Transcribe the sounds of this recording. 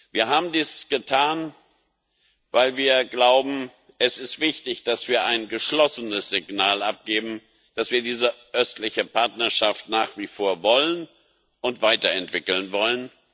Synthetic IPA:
viːɐɦaːbm̩diːsɡ̥ətʰaːn | vaɪlviːɐɡlaʊbm̩ | ʔɛsɪstv̥ɪçtɪçd̥asv̥iːɐʔaɪnɡəʃlɔsənəsz̥ɪɡnaːlʔap̚ɡ̥eːbm̩ | d̥asv̥iːɐdiːzəʔœstlɪçəpʰaɐtnɐʃaftnaːχv̥ifoːɐvɔlən | ʔʊntv̥aɪtɐɛntv̥ɪkl̩nvɔlən

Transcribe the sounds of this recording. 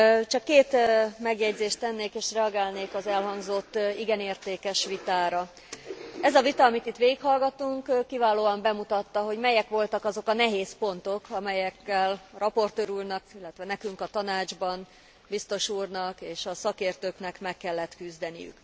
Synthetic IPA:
t͡ʃɒkːeːt̪mɛɡjɛɟzeːʃt̪t̪ɛnːeːkeːʃrɛɒɡaːlneːkɒzɛlɦɒŋɡzo̞t̪ːiɡɛneːrt̪eːkɛʃʋit̪aːɾɒ | ɛzɒvit̪ɒːmit̪it̪ʋeːɡikhɒlɡɒt̪uŋkkːivaːloːɒmbɛmut̪ɒt̪ːɒɦo̞ɟmɛjɛkʋo̞lt̪ɒkɒzo̞kɒnɛɦeːspo̞nt̪o̞kʰɒmɛjɛkːɛlrɒpo̞rt̪øːɾuːrnɒkilːɛt̪ʋɛnɛkyŋkɒt̪ɒnaːd͡ʒbɒn | bist̪o̞ʃuːrnɒkeːʃɒsɒkeːrt̪øːknɛkmɛkːɛlːɛt̪kyzd̪ɛnḭjy̰k

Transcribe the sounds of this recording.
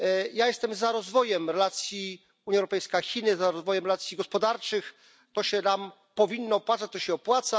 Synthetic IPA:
jajɛst̪ɛmzaɾɔzvɔjɛmɾɛlat̪sʲji | uɲjaɛwɾɔpɛjskaxʲinɘzaɾɔzvɔjɛmɾɛlat̪sʲjiɡɔspɔd̪aɾt͡ʂɘx | t̪ɔɕɛnam | pɔvʲinːɔːpwat̪sat͡ɕ̚t̪ɔɕɛɔpwat̪sa

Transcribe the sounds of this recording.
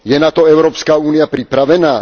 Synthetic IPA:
jɛnat̪ɔɛʊɾɔːpskaːuːnijapɾipɾaʋɛnaː

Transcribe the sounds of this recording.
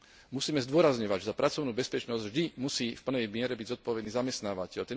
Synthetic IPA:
musiːmɛzd̪ʊɔɾazɲɔʋaɟʒɛzapɾat͡sɔʊnuːbɛspɛt͡ʃnɔzɟvʒd̪imusiːfpl̩nɛjmɪɛɾɛbiɟzɔt̪̚pɔʋɛd̪niːzamɛst̪naːʋacɛʎt̪ɛ

